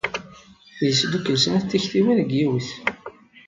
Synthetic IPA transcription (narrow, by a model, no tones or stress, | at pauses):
jsd̪ukːəlsənæθt̪ːiçθiwænɡiwiθ